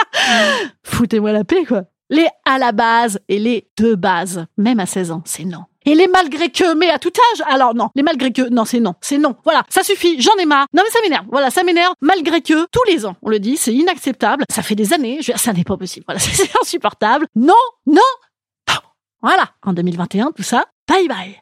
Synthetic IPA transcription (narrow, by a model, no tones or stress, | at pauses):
fut̪emwalapekwa | lɛalabazeled̪̥əbazmɛmasɛzɑ̃sɛnɔ̃ | elemalɡʁekʲəmɛat̪ut̪aʒalɔʁnɔ̃lemalɡʁekənɔ̃sɛnɔ̃sɛnɔ̃vwalasasyfiʒɑ̃nɛmanɔ̃mɛsamenɛʁvvwalasamenɛʁvmalɡʁekət̪ulezɑ̃ɔ̃ləd̪isɛinaksɛp̚t̪ablsafɛd̪ezaneʒved̪iʁsanɛpapɔsiblvwalasɛsɛt̪ɛ̃sypɔʁt̪ablnɔ̃nɔ̃ | vwalaɑ̃d̪ømilvɛ̃t̪eɛ̃t̪usat̪ajbaj